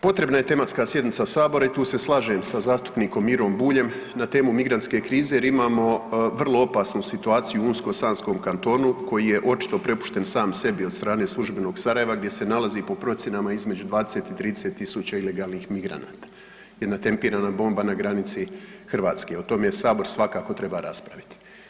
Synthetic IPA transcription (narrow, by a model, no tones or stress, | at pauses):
po̞t̪ɾe̞bnaje̞t̪e̞mat̪skaːsje̞d̪nit̪sasaːbo̞ɾait̪uːse̞slˠaʒe̞msazaːst̪u̥pniːko̞miɾo̞mbuːʎe̞m | nat̪e̞ːmumiɡɾant̪ske̞ːkɾiːzejeɾimaːmo̞ʋr̩lˠoo̞pasnusit̪uaːt̪sijuunsko̞saːnsko̞ːmkant̪o̞ːnuko̞jije̞ʔo̞t͡ʃi̥t̪o̞pɾe̞pu̥ʃt̪e̞nsaːmse̞biost̪ɾaːne̞ːslˠuʒbeno̞ːɡsaɾaje̞ʋaɡd̪je̞se̞nalazipo̞pɾo̞t̪sʲjenamaizme̞d͡ʑud̪ʋaːd̪e̞se̞t̪it̪ɾiːd̪eset̪ːisut͡ɕaile̞ɡaːlˠnixmiɡɾa̰na̰ːt̪ḁ | jed̪nat̪e̞mpiːɾaːnabo̞ːmbanaɡɾanit̪si | xr̩ʋaːt̪ske̞ot̪o̞mejesaːbo̞ɾsʋakako̞t̪ɾe̞baɾaspɾaʋit̪i̥